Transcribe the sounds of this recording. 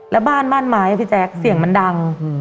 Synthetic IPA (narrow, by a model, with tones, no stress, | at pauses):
lɛ˦˥baː˥˩nmaː˥˩nmaː˦jʔa˧t̪ʰi˦˩t͡ɕɛː˦˥k̚si˨˩əŋma˧˥nda˧ŋ